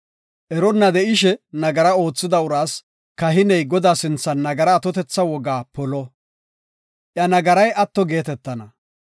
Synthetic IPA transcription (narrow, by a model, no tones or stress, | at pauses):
ʔɛɾɔnːɐd̪ɛʔɪʃɛnɐɡɐɾɐo̞ːt͡sːɪd̪ɐʊɾaːs | kɐɦɪnɛjɡɔd̪aːsɪnt͡sːɐnːɐɡɐɾaːt̪ɔt̪ɛt͡sːɐwɔɡaːpɔlɔ | ʔjɐnɐɡɐɾɐjʔɐt̪ːɔɡe̞ːt̪ɛt̪ːɐnɐ